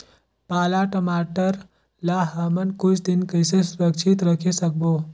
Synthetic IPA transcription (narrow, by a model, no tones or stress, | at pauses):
paːlaʈəmaʈəɾ | laɦəmənkʊt͡ʃʰd̪inkəjsesuɾəkt͡ʃʰit̪ɾəkʰesək̚bo